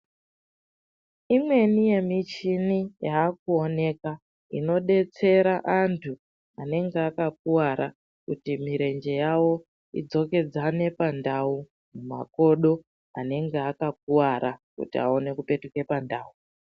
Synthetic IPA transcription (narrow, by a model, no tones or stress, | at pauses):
imwe̞nije̞mit͡ʃinijaːk̚uo̞ne̞ka | ḭno̞ɗe̞t͡se̞ɾaʔantʰu | ane̞ŋɡeakak̚uwaɾa | kutimiɾe̞nd͡ʒe̞jawo̞ | id͡zo̞ke̞d͡zane̞pandau | muma̰ko̞ɗo̞ | ane̞ŋɡe̞akak̚uwaɾakṵtia̰o̞ne̞kupe̞tuke̞pandaːu